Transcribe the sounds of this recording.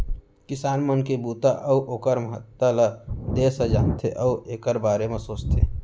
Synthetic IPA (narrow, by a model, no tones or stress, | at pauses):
kɪsaːnmənkebuːt̪aʔɐuʔoːkəɾməɦə̰t̪ːələd̪eːsəd͡ʒaːnt̪ʰḛʔəuʔeːkəɾbaːɾemẽsoːt͡ʃt̪ʰḛː